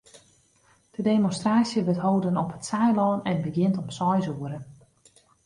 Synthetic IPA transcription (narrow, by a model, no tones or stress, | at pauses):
d̥ədeːmonstraːsjəʋɪtɦowdənɔpətsɛjlɔːnɛnbəɡjɪntɔmsɔjzuəɾən